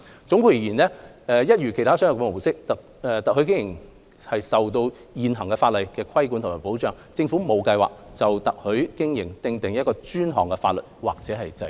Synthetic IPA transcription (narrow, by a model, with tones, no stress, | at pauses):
t͡sʊ˨˥ŋkuː˧ji˨˩jiː˨˩nlɛː˥ | ɛː˧jɐ˥t̚jyː˨˩kʰe˨˩t̪ʰaː˥sœː˥ŋɐ˨˩kɛ˧mo˨˩wsɪ˥k̚t̪ː | t̪ɐ˨hɵ˨˥ɥk̬ɪ˥ŋjɪ˨˩ŋ | hɐ˨jsɐ˨wt̪o˧w | jiː˨˩nɦɐ˨˩ŋkɛ˧faː˧tlɐ˨jkɛː˧kʰɐ˥jkuː˨˥nt̪ʰmaː˨˩po˨˥wt͡ʃœː˨˧ŋt͡sɪ˧ŋfu˨˥mo˨˧wkɐ˧jwa̰ː˨k̚t͡sɐ˨wt̪ɐ˨k̚hɵ˨˥kɪ˥ŋjɪ˨˩ŋt̪ɪ˨˧ŋt̪ɪ˨ŋjɐ˥t̚kɔː˧t͡ʃyː˥nɦɔ̰ː˨˩ŋkɛ˧faː˧t̚lɵ˨t̚wa̰ː˨k̚t͡sɛː˨˧˥ɦɐ˨jt͡sɐ˧